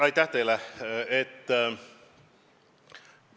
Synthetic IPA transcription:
ɑjt̪ːˑæht̪ejlɛet̪ː

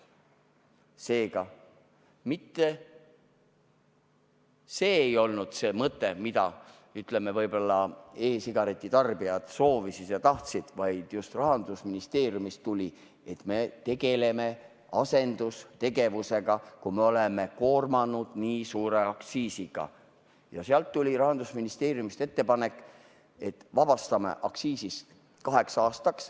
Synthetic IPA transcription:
se̞ːɡɑ | mit̪ːe | seːejo̞lnud̪̥se̞ːmɤt̪ːˑe̞mid̪ɑ̰ | yt̪ˑle̞me̞vɤjbo̞lːɑe̞ːsiɡ̥ɑɾe̞t̪ʲːˑit̪ɑrb̥iɑd̪̥so̞ːvisid̪̥jɑt̪ɑht̪sid̪̥vɑjd̪̥just̪rɑɦɑnd̪usminist̪e̞ːɾjumist̪t̪ːulʲi | e̞t̪me̞t̪e̞ɡ̥e̞le̞me̞ | ɑse̞nd̪̥ust̪e̞ɡe̞vuse̞ɡɑkumeo̞le̞me̞ko̞ːrmɑnud̪̥niːsuːɾe̞ɑksiːsiɡ̥ɑ̰ | jɑseɑlt̪ːulʲiɾɑɦɑnd̪̥usminist̪e̞ːɾjumist̪e̞t̪ːe̞pɑne̞kːˑ | e̞t̪ːvɑb̥ɑst̪ɑmḛʔɑksiːsis | kɑɦe̞ksɑːst̪ɑks

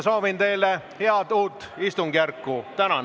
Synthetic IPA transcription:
so̞ːvint̪e̞jle | heɑd̪uːt̪ːist̪uŋɡ̥jærkːut̪ænɑn

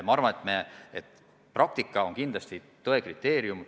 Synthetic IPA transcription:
mɑɑɾvɑnet̪meet̪ːˑ | prɑk̚t̪ikːˑɑo̞ŋkind̪lɑst̪it̪oekrit̪ːˑe̞ːɾjum

